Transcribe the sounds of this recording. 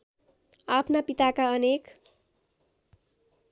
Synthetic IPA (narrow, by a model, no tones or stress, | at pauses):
apʰnapit̪akaʌnek